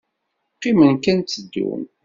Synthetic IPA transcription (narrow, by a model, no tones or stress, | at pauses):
qːimənkænt̪ːəd̪ːṵn